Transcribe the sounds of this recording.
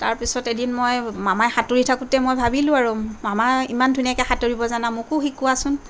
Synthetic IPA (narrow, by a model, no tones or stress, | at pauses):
taɹpisɔtedinmojmamajxatoɹitʰakutɛmojbʱabilʊ̃aɹumamaimandʱunijakɛxatoɹibɔzanamʊkʊxikːʊasʊn